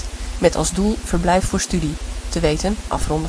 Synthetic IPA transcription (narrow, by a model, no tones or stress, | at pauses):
mɛtʰɑ̰lˠzdulˠv̥əɹblɛjffʊːɹstyditəʋejtənʔɑ̰frɔnd